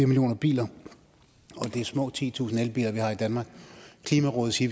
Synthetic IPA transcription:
iɐmiljo̝̰ːnɐb̥ḭːlɐ | ɒ̽d̥e̝æsmɔ̰̽ːt͡sʰḭːt͡sʰṵːsn̩elb̥ḭːlɐʋihɑ̈id̥ænmɑ̈ːɡ̥kʰliːmæʁɔ̽ːð̩ˠsi

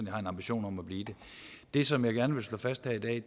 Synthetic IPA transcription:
njɑhɑ̈e̝nɑ̈mb̥iɕo̝̰ːnɒ̽mæb̥liːd̥e̝d̥e̝sɒ̽mjɑ̈ɪɡ̥æɐnəʋe̝lslɔfæsd̥hæid̥ɛ̰ː

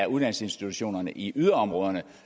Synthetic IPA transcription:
æɐuð̞ˠd̥ænl̩se̝nsd̥it͡sʰuɕo̝̰ːnɐnəʔiyðˠɐɒ̽mʁɔ̽ːðˠɐnə

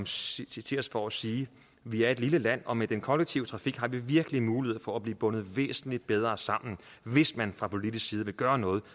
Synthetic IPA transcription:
mt͡sʰe̝ɒsfɒːsiː | ʋiæɐe̝d̥liləlæn̰ɒ̽med̥enkʰɒ̽leɡ̥̚t͡sʰiʊt͡sʰʁɑ̈fiɡ̥ɦɑ̈ʋiʋiɐɡ̥əlimuːlihe̝ð̰ˠfɒ̽æb̥liːb̥ɔ̽nð̞̩ˠʋḛːsn̩lid̥̚b̥eð̞ˠʁɐːsɑ̈m̰n̩ | ʋe̝smænfʁɑ̈pʰo̝lidisksiːðˠəʋe̝ɡ̥ɶːɐnɔ̽ːð̞̩ˠ

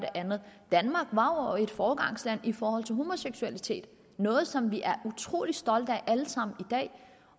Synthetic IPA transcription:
deʔænð̩ˠd̥ænmɑ̈ːɡ̥ʋɑ̈ɒe̝d̥fɒːɡ̥ɑ̈ŋ̰slæn̰ifɒːhɒ̽l̰t͡sʰe̝lɦomo̝seɡ̥suælit͡sʰe̝̰ːd̥ | nɔ̽ːð̞̩ˠsɒ̽mʋiʔæɐʔut͡sʰʁo̝̰ːlid̥sd̥ɒ̽l̰d̥əæʔæləsɑ̈m̰n̩id̥ɛ̰ː

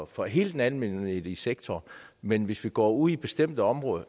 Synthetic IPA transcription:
fɒ̽ɦe̝̰ːld̥enænmen̰he̝ðˠiseɡ̥̚t͡sʰɒːmenʋe̝sʋiɡ̥ɒ̰ːuð̰ˠib̥e̝sd̥em̰d̥əɒ̽mʁɔ̽ːðˠ

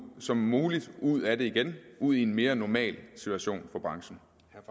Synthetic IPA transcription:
sɒ̽mːuːlid̥uð̞̰ˠæde̝iɡ̥enʔuð̞̰ˠie̝nme̝ːɐnɒmɛ̰ːlsit͡sʰuæɕo̝̰ːnfɒ̽b̥ʁɑ̈ŋɕn̩

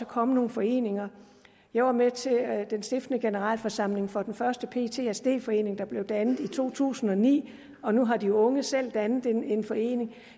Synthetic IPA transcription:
ɒkʰɒ̽məno̝ːn̩fɒ̽e̝̰ːne̝ŋɐ | jɑ̈ɪʋɑ̈met͡sʰe̝d̥ensd̥efd̥ənəɡ̥e̝nəʁɑ̰ːlfɒsɑ̈m̰le̝ŋfɒ̽d̥enfɶɐsd̥əpʰe̝̰ːt͡sʰe̝æsd̥e̝̰ːfɒ̽e̝̰ːne̝ŋd̥ɑ̈b̥le̝ʊd̥ænð̩ˠit͡sʰo̝̰ːt͡sʰṵːsn̩ɒ̽nḭː | ɒ̽nuɦɑ̈d̥iɔ̽ŋəsel̰d̥ænð̩ˠene̝nfɒ̽e̝̰ːne̝ŋ

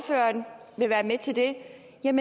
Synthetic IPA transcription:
fø̰ːɐnʋe̝ʋæːɐmet͡sʰe̝ld̥e̝ | jɑme

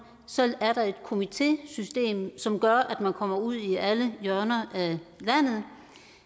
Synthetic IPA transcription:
sel̰æɐɾ̥ɑ̈e̝d̥kʰo̝mit͡sʰe̝̰sysd̥e̝̰ːmsɒ̽mɡ̥ɶɐʔæd̥mænkʰɒ̽m̰ɐuð̰ˠiʔæləjœɐnɐʔælæn̰ð̞̩ˠ

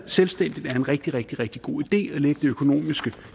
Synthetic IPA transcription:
selsd̥en̰d̥ið̩ˠæɐe̝nʁɛɡ̥̚d̥iʁeɡ̥̚d̥iʁeɡ̥̚d̥iɡ̥o̝̰ːid̥e̝̰ːɒ̽leɡ̥əd̥e̝økʰo̝no̝̰ːmisɡ̥ə

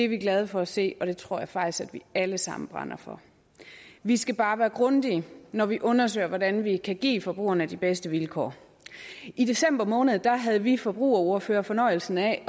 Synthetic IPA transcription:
de̝ʋiɡ̥lɛð̞ˠəfɒ̽ɒse̝̰ːɒ̽ɾ̥e̝t͡sʰʁo̝ɐ̰jɑ̈ɪfɑ̈ɡ̥̚isɡ̥æd̥ʋiæləsɑ̈mn̩b̥ʁɑ̈nɐfɒ̽ | ʋisɡ̥æb̥ɑ̈ːʋæːɐɡ̥ʁɔ̽nd̥iənɒʋiʔɔ̽nɐs̬ø̰ːɪɐʋɒdænʋikʰæɡ̥ḭːfɒ̽b̥ʁṵːɐnəd̥ib̥esd̥əʋilkʰɒ̰ː | ʔid̥e̝sem̰b̥ɐmɔ̽ːnð̞̩ˠd̥ɑ̈ɦæð̞ˠəʋifɒ̽b̥ʁṵːɐo̝ɐføːɐfɒ̽nɒ̽ɪ̰l̩sn̩æ

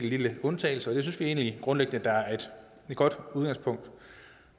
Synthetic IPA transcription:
liləɔ̽nt͡sʰɛ̰ːɪl̩səɐɒd̥e̝synsʋie̝ːnliɡ̥ʁɔ̽nleɡ̥nəd̥ɑ̈æɐɐe̝d̥ | e̝dɡ̥ɒ̽d̥uðˠɡ̥ɑ̈ŋspʰɔ̽ŋ̰d̥

